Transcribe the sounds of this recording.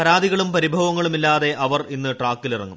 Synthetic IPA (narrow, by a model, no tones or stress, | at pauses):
pɐɾaːd̪ʱiɣɐɭumpɐɾibʱɐʋɐŋːɐɭumilːaːðe̞ʔɐʋɐrinːɨʈraːkːilirɐ̰ŋːum